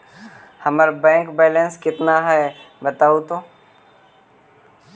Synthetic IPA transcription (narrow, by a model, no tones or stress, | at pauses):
hɐməɾbɛ̃ːŋkbɛːlənskɪt̪naɦɛːbɐt̪aːot̪õː